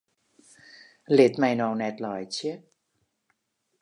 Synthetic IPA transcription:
let̪̚majnɔwnɛt̪lɔjt͡ɕi

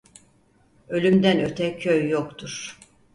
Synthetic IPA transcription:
ø̞lʲymd̪ænøt̪ʰɛcʰøjːokt̪ʰuɾ̥

